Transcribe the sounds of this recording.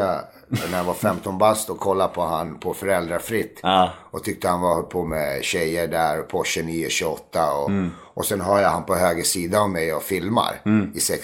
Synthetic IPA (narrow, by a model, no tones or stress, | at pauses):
a | næɾjavafɛmt̪ɔnbast̪ɔkʰɔlːapʰɔhanpʰɔfœɾɛld̪ɾafɾɪt̪ːɔt̪ʰʏk̚t̪əhanvahɔlpʰoːmɛ̰ɕɛjːəɖæɾɔpʰɔɕɵniːʊɕʉɔt̪ːaɔ | ɔsɛnɦœːjahanpʰɔɦøːɡɾəʂiːd̪aɔvmɛjɔfɪlma̰ɾɪsɛk